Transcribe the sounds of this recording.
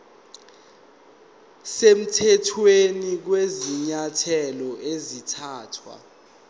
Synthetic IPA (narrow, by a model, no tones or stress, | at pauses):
sem̩tʰɛtʰwenik̬weziɲatʰɛlɔʔezitʰaːtʰwa̰